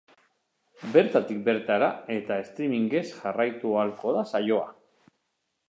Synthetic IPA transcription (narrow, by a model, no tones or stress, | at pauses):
be̞ɾt̪at̪ik̚be̞ɾt̪aɾae̞t̪ae̞st̪ɾimiŋɡe̞sʝarajt̪ualko̞ðasajo̞a̰